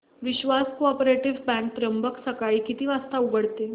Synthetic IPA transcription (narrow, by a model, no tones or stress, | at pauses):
ʋiɕʋaskoɔpɾeʈiʋbɛ̃ɳk̚t̪ɾəmbəksəkaɭiːkit̪iːʋast̪auɡəɽt̪e